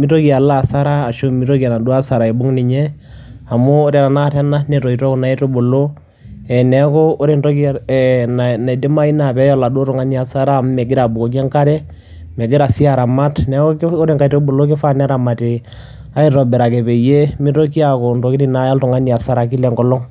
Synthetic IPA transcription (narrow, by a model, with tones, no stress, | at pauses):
mi˦to˦ki˨a˨la˦˨sa˦ɾaː˦˨ʃo˦mi˦to˦ki˨a˨na˨du˦a˦sa˨ɾa˨e˨bʊ˦ŋnɪ˨ɲɛ˦ | a˨mʊː˦ɾɛ˨ɾa˨na˦tɛ˦na˦nɛ˨tɔ˨i˨tɔ˦ko˨na˨˦i˦to˦bo˨lo˦ | ɛ˨nɛ˨˦kɔː˦ɾe˨nto˦ki˦˨na˨na˨de˦ma˦i˦na˨pɛ˨˦jɔ˦˨la˨du˦o˦tʊ˨ŋa˦ni˦a˨sa˦ɾa˦˨m˦mɛ˨ɡɪ˦ɾa˨bu˨ko˨ki˦ɛ˦ŋka˦ɾɛ˦ | mɛ˨ɡɪ˦ɾa˨si˦a˨ɾa˨ma˦tnɛ˦o˦ɾe˦˨ŋka˨i˨to˦bo˨lo˦k̬ɪ˦fa˦nɛ˦ɾa˨ma˨ti˨ | a˦i˦ɾɔ˨bɛ˨ɾa˨kɛ˨pe˨je˦mɪ˦to˦ki˦a˨ko˨n˨to˨ki˦ɾi˦na˦ja˦ltʊ˨ŋa˦ni˨a˨sa˦ɾa˨ki˦lɛ˨ŋɡɔ˦lɔ˦ŋ